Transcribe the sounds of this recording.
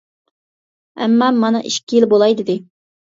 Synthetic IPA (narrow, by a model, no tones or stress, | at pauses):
ɛ̰mːɑmɑnɑʔiʃkʲijilbolˠɑjd̪ɪd̪ɪ